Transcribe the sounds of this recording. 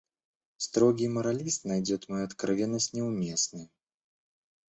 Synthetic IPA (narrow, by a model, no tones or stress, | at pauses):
st̪ɾɔɡʲimɐɾalʲist̪najd͡zʲɛt̪mɔjuɐt̪kɾavʲɛnːɐsʲtʲnʲɛwmʲɛsnɨj